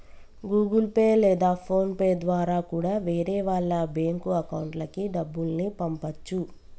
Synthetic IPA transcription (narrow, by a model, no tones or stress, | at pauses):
ɡuːɡulpeːlɛːd̪aːpʰo̞ːnpeːd̪ʋaːɾaːkuːɽaːʋeːɾeːʋaːɭːɐbeːŋkuɐkɐwuɳʈlɐkiɖɐbːulnipɐmpɐt͡ʃːu